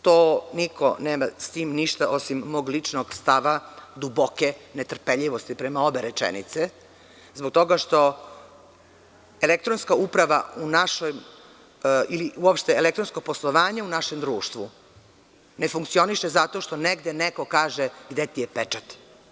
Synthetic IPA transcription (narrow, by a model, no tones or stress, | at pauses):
t̪onikʰo̞̰neːmast̪iːmniʃt̪aʔo̞simːoːɡlit͡ʂnoɡst̪aʋad̪ubokenet̪r̩peʎiʋo̞st̪ipɾemao̞be̞ɾet͡ʃḛnḭt̪se | zbok̚t̪o̞ɡaʃt̪o̞ | elekt̪ɾonskaupɾaʋa̰unaʃojm | iliuopʃt̪eelekt̪ɾo̞nskoɡ̚poslˠoʋaːɲaunaʃe̞md̪ɾuːʃt̪ʋṵ | ne̞fuŋkt̪sio̞niʃezat̪o̞ʃt̪o̞neɡd̪eneko̞kaːʒeɡd̪et̪ijepet͡ʃat̪